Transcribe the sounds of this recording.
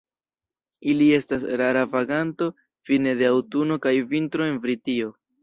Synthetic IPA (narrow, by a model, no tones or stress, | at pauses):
ilie̞stasɾaɾavaɡanto̞ | fine̞de̞awtuno̞kajvintɾo̞e̞nvɾitio̞